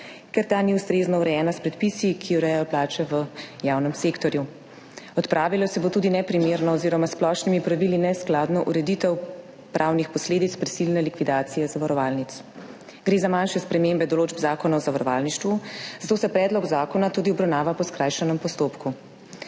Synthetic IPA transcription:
kɛɾt̪aːniust̪ɾeːznɔuɾɛjɛːnaspɾɛt̪pisikʰiuɾɛjɛjɔplaːt͡ʃɛʋəjawnɛmsekt̪ɔɾju | ɔt̪pɾʔaːʋilɔsɛbot̪uːd̪inɛpɾimeːɾnɔːziːɾɔmasplɔʃnimipɾaʋilinɛsklaːd̪nɔʔuɾɛd̪it̪ɛw | pɾʔawnixpɔsleːd̪it̪spɾisilnɛlikʋid̪aːt̪sijɛzaʋaɾɔʋaːlnit̪s | ɡ̥ɾeːzamanʃɛspɾɛmembɛd̪ɔloːd͡ʒbzaːkɔnaɔzaʋaɾɔʋa̰ːlniʃt̪ʋuzat̪oːsɛpɾɛːd̪lɔɡzaːkɔnat̪uːd̪iɔbɾawnaːʋapɔskɾajʃɛnɛmpɔst̪oːpku

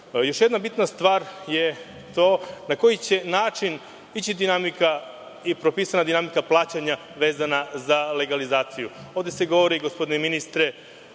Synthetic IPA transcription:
jo̞ʃjed̪nabit̪nast̪ʋaːɾje̞ | t̪o̞ːnako̞jit͡ɕe̞naːt͡ʃin | it͡ɕid̪inamika | ipɾo̞piːsanad̪inamikaplˠaːt͡ɕaɲa | ʋe̞ːzanazale̞ɡalizaːt̪sijuo̞ʋd̪eseɡo̞ʋo̞ɾiɡospo̞d̪ineminist̪ɾe

